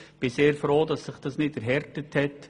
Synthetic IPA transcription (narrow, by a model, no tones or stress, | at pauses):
b̥ɪseːɾfɾoːdɑsːɪχd̥ɑsnɪdɛɾɦɛɾtəthɛt